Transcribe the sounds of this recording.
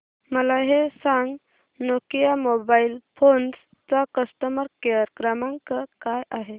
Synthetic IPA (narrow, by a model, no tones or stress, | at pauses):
məlaɦesãŋɡ | nokijamobailfʰons | t̪ʋakəst̪əməɾkeəɾkɾamãŋkəkajʔaɦe